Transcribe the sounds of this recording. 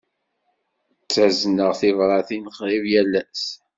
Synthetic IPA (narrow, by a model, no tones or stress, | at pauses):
t͡sːæznəʁθɪvɾˤɑθinəχʁivjælːæs